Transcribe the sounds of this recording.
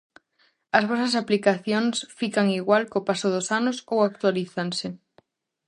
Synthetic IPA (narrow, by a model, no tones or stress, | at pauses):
ɐzβɔsɐsaplikaθjoŋsfikaŋiɣwalkopasʊðʊsanʊsowak̚t̪waliθansɪ